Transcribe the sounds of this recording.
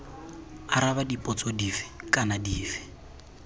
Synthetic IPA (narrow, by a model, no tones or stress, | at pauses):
aɾaβadipʼɔt͡sʼɔdifɪ̥kʼanadiːfɪ̥